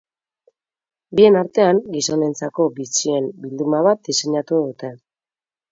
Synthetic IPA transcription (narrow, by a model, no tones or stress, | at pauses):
bie̞naɾt̪e̞aŋɡiso̞ne̞nt͡sako̞bit͡sie̞mbild̪umaβat̪̚d̪ise̞ɲat̪uðut̪e̞